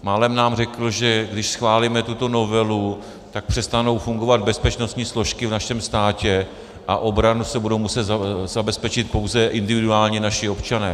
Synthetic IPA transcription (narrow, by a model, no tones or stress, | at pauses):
maːlɛmnaːmrɛkl̩ʒɛɡdɪʃsxvaːliːmɛt̪ut̪o̞no̞vɛlu | t̪ak̚pr̝̥ɛst̪ano̞wfuŋɡo̞vad̪̚bɛspɛt͡ʃno̞st̪ɲiːslo̞ʃkɪvnaʃɛmst̪aːcɛ | ʔaʔo̞bɾanusɛbudo̞wmusɛt̪zazabɛspɛt͡ʃɪt̪̚powzɛʔɪndɪvɪduaːlɲɛnaʃɪo̞pt͡ʃanɛː